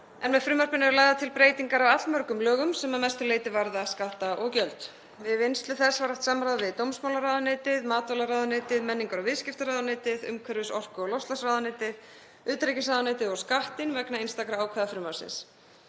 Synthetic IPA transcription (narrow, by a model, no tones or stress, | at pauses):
ɛnmɛðfɾʏːmaɾ̥pɪnɪɛɾlaːjɣðat̪ʰɪlpɾeːjt̪iŋkaɾawat̪lmœr̥kʏmlœːɣʏmsɛmamɛst̪ʏleːjt̪ɪvaɾðaskaht̪aʔɔɣcœlt̪ | vɪðejnst̪lʏθɛ̥svaɾaht̪samɾaðvɪðt̪owmsmawlaɾaːðaneːt̪ɪðmaːt̪vɔlaɾaːðaneːt̪ɪðmɛnːiŋkaɾɔvɪðscɪft̪aɾaːðaneːt̪ɪðʏ̰mkʰœɾvɪsɔr̥kʏɔɣlɔwst̪lasraːðanːt̪ɪð | ʏːt̪ɾecɪsaːðaneːjt̪ɪðɔskaht̪ɪnvɛknainst̪akɾaaːwkʰvɛðafɾʏːmaw̥sɪ̰ns